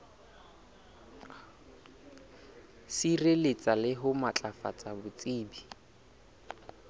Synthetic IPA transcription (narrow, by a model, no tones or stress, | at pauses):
sirelet͡sʼalɪɦʊmat͡ɬʼafa̰t͡sʼabʊt͡sʼiːbi